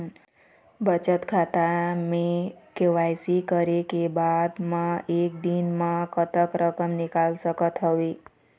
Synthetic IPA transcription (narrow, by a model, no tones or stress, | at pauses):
bət͡ʃət̪kʰat̪amẽkeʋajsikəɾekebad̪mãek̚d̪inmãkʰət̪əkɾəkəmnɪkalsəkət̪ɦəʋi